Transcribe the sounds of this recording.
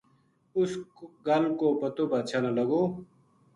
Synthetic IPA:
ʊsɡɐlkoːpət̪oːbat͡ʃʰanaləɡoː

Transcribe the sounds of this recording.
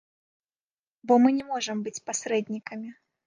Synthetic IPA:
bɔmɨnʲɛmɔʐɐmbɨt͡sʲpasɾɛd̪ʲnʲikɐmʲi

